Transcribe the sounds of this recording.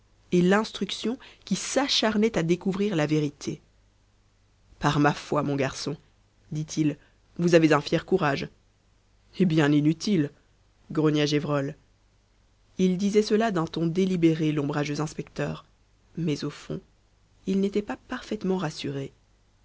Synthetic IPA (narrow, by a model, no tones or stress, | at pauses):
elɛ̃st̪χyksjɔ̃kʲisaʃaʁnɛt̪ad̪ekuvʁiʁlaveʁit̪ʰe | paʁmafwamɔ̃ɡaʁsɔ̃ | d̪it̪ʰil | vuzavezɛ̃fjɛʁkuʁaʒ | ebjɛ̃ninyt̪ʰil | ɡʁɔnjaʒevʁɔl | ild̪izɛsəlad̪ɛ̃t̪ɔ̃d̪elibeʁelɔ̃bʁaʒøzɛ̃spɛkt̪œːʁ | mɛzofɔ̰̃ | ilnet̪ɛpapaʁfɛt̪mɑ̃ʁasyʁe